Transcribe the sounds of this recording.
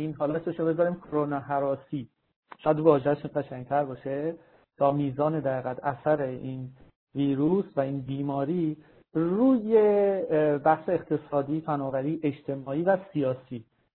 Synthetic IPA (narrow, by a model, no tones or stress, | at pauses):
iːnɦɒːlɒseʃobezɒɾimkʰoɾonɒːɦæɾɒːsiː | ʃɒjæd̪vɒːʒehæʃɡæʃæŋɟt̪ʰæɾbɒːʃe | t̪ʰɒːmiːzɒːned̪æɣiːɣæd̪æsæɾein | viːɾuːsvæiːnbiːmɒːɾiː | ɾuːje | bæhse̞ːqt̪ʰe̞sɒːd̪iːfænɒːbæɾiːʔe̞t͡ʃt̪ʰe̞mɒːiːvæsijɒːsiː